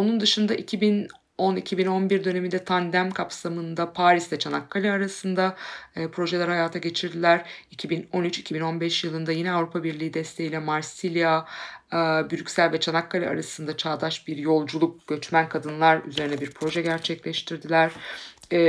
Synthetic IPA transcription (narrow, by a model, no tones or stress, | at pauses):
o̞nund̪ɯʃɯnd̪aʔicʰibin | o̞nicʰibino̞nbiɾd̪ø̞ne̞mind̪ɛt̪ʰand̪æmkʰapsamɯnd̪apʰaːɾislɛt͡ʃʰanakːalʲiaɾasɯnd̪aːpɾo̞ʒelʲɛɾhajaːt̪ʰaɟe̞t͡ʃʰiɾd̪ilʲæɾ̥icʰibino̞nyt͡ʃi̥cʰibino̞nbɛʃjɯlˠɯnd̪ajinɛavɾupʰabiɾlʲiːd̪ɛst̪ʰe̞jilʲɛmaɾsilʲija | byɾycsælʲvɛt͡ʃʰanakːalʲia̰ɾasɯnd̪at͡ʃʰaːd̪aʃbiɾjo̞lˠd͡ʒulˠuk̚ɟ̥ø̞t͡ʃmænkʰad̪ɯnlˠaɾy̰ze̞ɾinɛbiɾpʰɾo̞ʒɛɟæɾt͡ʃʰɛclʲɛʃt̪ʰiɾd̪ilʲæɾ̥